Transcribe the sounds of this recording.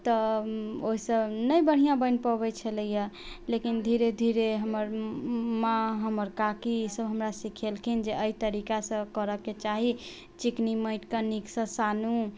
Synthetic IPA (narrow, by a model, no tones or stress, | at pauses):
t̪əoɦisəbnəjbəɽ̤ijãbənpəbɛjt͡ʃʰələjə | lekind̪ʱiɾed̪ʱiɾeɦəməɾmãɦəməɾkakisəbɦəmɾasikʰelkʰind͡ʒeʔəit̪əɾikasə̃kəɾəkːet͡ʃaɦi | t͡ʃikniməɪʈkəniksə̃sanu